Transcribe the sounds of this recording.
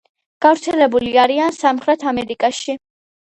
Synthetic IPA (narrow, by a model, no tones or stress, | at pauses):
ɡ̥avɾt̪sʰɛlɛbuliaɾiansamχɾɛt̪ʰamɛɾikʼaʃi